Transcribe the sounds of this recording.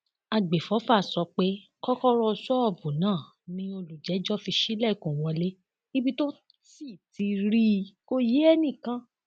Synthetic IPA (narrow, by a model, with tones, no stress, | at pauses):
a˧˨ɡ͡be˨fɔ˨˦fa˦˨sɔ˧˦k͡pe˦ | kɔ˦kɔ˦ɾɔ˧sɔ˦ɔ˦˨bũ˨nãː˦˨ | nĩ˧˦o˧lu˨d͡ʒɛ˨˦d͡ʒɔ˦fi˧ʃi˦lɛ˦˨kũ˨w̃ɔ̃˧le˦ | i˦bi˦to˦ | si˦˨ti˨˧ɾi˦˧ko˦je˦ɛ˦nĩ˦˨kã˦